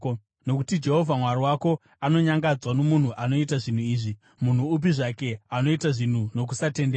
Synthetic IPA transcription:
no̞kutid͡ʒe̞ɦo̞vʱamwaɾiwako̞ | ano̞ɲaŋɡad͡zwano̞mun̤uʔano̞itaʐin̤uiːʐi | mun̤uup̬iʐake̞ano̞itaʐin̤uno̞k̬usate̞ndeː

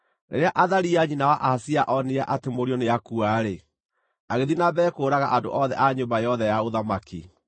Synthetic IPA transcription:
nḛɾeaʔaðaɾiaɲinawaʔasiaʔɔneaʔatemoɾiɔneakuaɾe | aɣeðinabɛːkoːɾaɣaʔado̰ʔɔðɛʔaɲombajɔðɛjaoðamaki

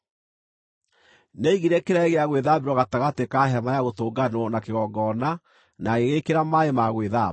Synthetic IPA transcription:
neiɣeɾɛkeɾaɣeaɣweðabeɾwɔɣataɣatekaɦɛmajaɣotoːɡanwɔnakeɣɔːɡɔna | naɣeɣekeɾamaemaɣweða

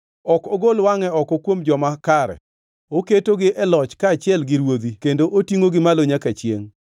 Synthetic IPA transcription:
ɔkoɡolwaŋɛɔkɔkwomd͡ʒɔmakaɾɛ̰ | oketoɡɪʔɛlɔt͡ʃkaːt͡ʃɪɛlɡɪɾwod̪ikendoʔotiŋoɡɪmaloɲakat͡ʃjḛŋ

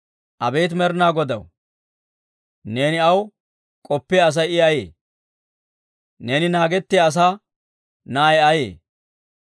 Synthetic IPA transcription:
ʔɐbeːt̪mɛɾnaːɡɔd̪ɐ̰w | ne̞ːnɪɐw | kʼɔpːeɐs̬ɐjɪɐjeː | neːnɪnaːɡɛt̪ːeɐs̬aː | naːjɐjḛː

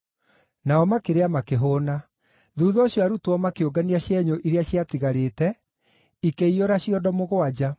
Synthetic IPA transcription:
naɔmakeɾeamakeɦoːna | ðuːðɔɕjoaɾutoɔmakeoɡaniaɕjɛɲoʔiɾeaɕjatiɣaɾeːtɛ | ikeioɾaɕijɔdɔmoɣoad͡ʑa

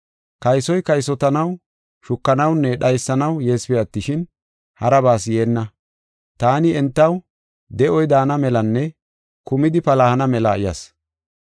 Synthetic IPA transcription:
kɐjsɔjkɐjsɔt̪ɐnɐw | ʃʊkːɐnɐwnːɛɗɐjsːɐnɐwjeːspɛjɐt̪ːɪʃɪn | hɐɾɐbaːs̬je̞ːnːɐ | t̪aːnɪɛnt̪ːɐw | d̪ɛʔɔjd̪aːnɐmɛlɐnːɛ | kʊmɪd̪ɪpɐlɐhɐnɐmɛlɐɪjɐ̰s

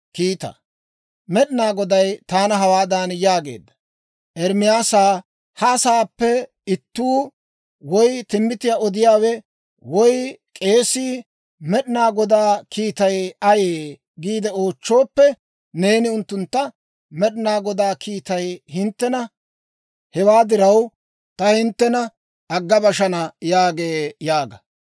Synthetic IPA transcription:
kiːt̪ɐ̰ | mɛɗɪnaːɡɔd̪ɐjt̪aːnɐɦɐwaːd̪aːnjaːɡe̞̰ːd̪ːɐ̥ | ʔɛɾmɪjaːsaː | hɐːsaːpːɛ | ɪt̪ːuː | wɔjt̪ɪmːɪt̪ɪjaɔd̪ɪjaːwɛ | wɔjkʼe̞ːsiː | mɛɗɪnaːɡɔd̪aːkʰiːt̪ɐjɐjeː | ɡiːd̪ɛo̞ːt͡ʃːo̞ːpːɛ | neːnɪʊnt̪ːʊnt̪ːɐ | mɛɗɪnaːɡɔd̪aːkiːt̪ɐjhɪnt̪ːɛnɐ | hɛwaːd̪ɪɾɐw | t̪ɐhɪnt̪ːɛnɐ | ɐɡːɐbɐʃɐnɐjaːɡeːjaːɡɐ

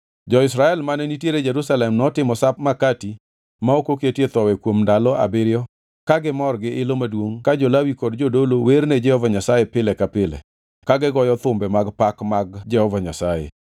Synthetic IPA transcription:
d͡ʒɔɪsɾaɛlmanɛnitjeɾed͡ʒeɾusalɛmnɔtɪmɔsap̚makati | maokoketjet̪ɔwɛkwomndalɔa̰bɪɾɪjɔ | kaɡɪmɔrɡɪʔɪlomadwoŋkad͡ʒɔlawikɔdd͡ʒodolowerned͡ʒɛhɔvaɲasajepɪlɛkapɪlɛ̰ | kaɡɪɡɔjɔt̪ʊmbɛmaɡpakmaɡd͡ʒɛhɔvaɲasajḛ

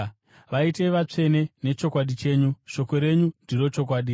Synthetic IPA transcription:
ʋaite̞ʋat͡ʂe̞ne̞ne̞t͡ʃo̞kwaɗit͡ʃe̞ːɲuʃo̞ko̞ɾe̞ɲundiro̞t͡ʃo̞k̬waːɗi

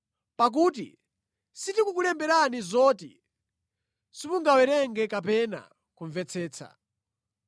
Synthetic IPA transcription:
pak̬uːt̬ḭ | sitikukulɛmbɛɾanizɔːtḭ | sipuŋɡawɛɾɛŋɡɛkapɛna̰ | kuɱvɛt͡sʰɛːt͡sʰa̰

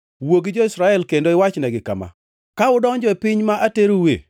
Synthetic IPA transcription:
woɡid͡ʒoisɾaɛlkendoɪwat͡ʃnɛɡɪka̰ma̰ | kaʊdɔŋd͡ʒɔɛpɪɲmaʔateɾowḛ

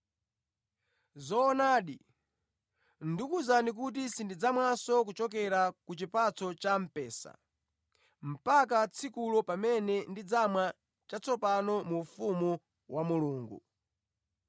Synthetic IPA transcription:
zɔːnaːɗi | ndikuzanik̬ut̬isindid͡zamwasɔk̬ut͡ʃɔk̬ɛɾakut͡ʃipat͡sɔt͡ʃam̩pɛːsa̰ | m̩pakat͡sʰikulɔpamɛnɛndid͡zamwa | t͡ʃat͡sɔpanɔmufumu | wʔamuluːŋɡṵ

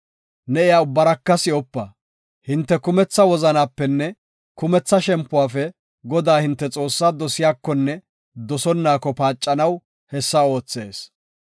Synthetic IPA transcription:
nɛɪjaːʊbːɐɾɐkːɐsɪɔpːɐ | hɪnt̪ːɛkʊmɛt͡sːɐwɔzɐnaːpːɛnːɛ | kʊmɛt͡sːɐʃɛmpːʊwaːfɛ | ɡɔd̪aːhɪnt̪ːɛt͡sʼo̞ːsːaːd̪ɔsɪjaːkːɔnːɛ | d̪ɔsɔnːaːkːɔpaːt͡ʃʼːɐnɐw | hɛsːɐo̞ːt͡sːe̞̰ːs

